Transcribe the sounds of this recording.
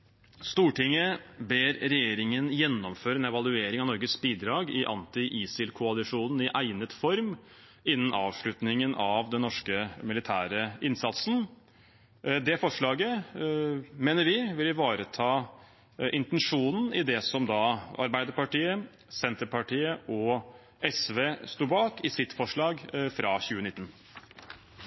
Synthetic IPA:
st̪uːʈʰɪŋːəbeːɾɾɛjeːɾɪŋənjɛnːɔmføːɾəɛnɛʋɑlˠʉeːɾɪŋɑʋnɔɾɡəsbiːd̪ɾɑːɡɪʔɑ̰nt̪ɪʔiːsɪlkʰʊɑlɪʂuːnn̩ɪʔæɪnət̪fɔɾm | ɪnːən̩ɑːʋʂɭʉt̪nɪŋənɑʋd̪ɛnːɔʂkəmɪlɪt̪ʰæːɾəɪnsɑt̪sn̩ | d̪ɛfɔʂɭɑːɡə | meːnəɾʋɪʋɪlʋɑːɾət̪ʰɑː | ʔɪnt̪ɛnʂuːnn̩ɪd̪ɛsɔmd̪ɑɑ̰ɾbæɪd̪əɾpɑʈiːə | sɛnt̪əɾpɑʈʰiːəʔɔ | ɛsʋeːst̪uːbɑːkɪsɪt̪fɔʂɭɑːɡfɾʔɑːçʉːənɪt̪ːn̩

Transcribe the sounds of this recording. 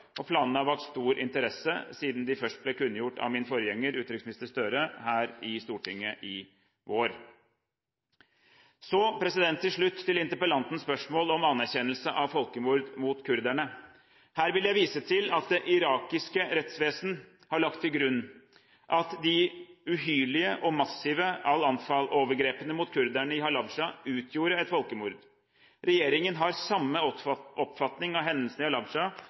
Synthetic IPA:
ʔɔpʰlɑːnnɑʋɑʈ̪st̪uːɾʔɪ̰nt̪əɾɛsə̰siːd̪nd̪ɪfœʂʈ̚blɛkʉnːjʊʈːɑ̰ʋmɪnfɔɾjɛŋːəɾʉːt̪ɾɪksmɪnɪst̪əʂt̪œɾəhæːɾɪst̪uːʈɪŋːəʔɪ | ʋoːɾ | sɔpʰɾɛsɪd̪ɛnt̪ʰːɪlʂɭʉt̪ʰːɪlɪnt̪əɾpəlɑnt̪n̩spœʂmoːlɔmɑnːæɾçɛnəlsəʔɑʋfɔlkəmuːɾd̪muːt̪kʰʉɾd̪æɳə | hæːɾʋɪljæɪʋiːsət̪ʰɪlɑt̪̚d̪ɛʔɪɾɑːkɪskəɾɛt̪sʋeːsn | hɑɭɑkt̪ʰːɪlɡɾʉnː | ʔɑt̪d̪ɪʉɦyːlɪəʔɔmɑsːɪʋəɑlɑnfɑlʔoːʋəɾɡɾeːpənəmʊt̪kʰʉɾd̪æɳəɪhɑlɑbʂɑʉːt̪ʰjuːɾəɛt̪fɔlkəmuːɾd̪ | ɾɛjeːɾɪŋənɦɑɾsɑmːəʔɔpfɑt̪nɪŋɑʋɦɛnd̪əlsnɪɑlɑbʂɑ

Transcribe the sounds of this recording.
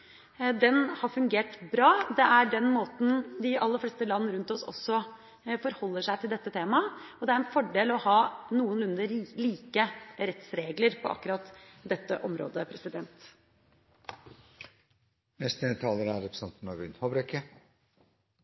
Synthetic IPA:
d̪ɛnhɑfʉŋɡeːʈbɾɑːd̪ɛʔæɖɛnmoːt̪n̩d̪ɪʔɑlːəɾfleːst̪əlɑnːəɾʉnt̪ɔsɔ̰sːɔ | fɔɾhɔlːəʂæɪt̪ʰɪld̪ɛt̪ːət̪ʰeːmɑɔd̪ɛæɾɛnfɔɖeːlɔhɑːnuːənʉnd̪əliːkəɾɛt̪sɾeːɡləɾpʰɔʔɑ̰kːʉɾɑt̪d̪ɛt̪ːəʔɔmɾo̰ːd̪əpʰɾɛsɪd̪ɛnt̪ | nɛst̪ɛt̪ʰɑːləɾæɾɾɛpɾsɛnt̪n̩ɑʋʉnhobɾɛkə

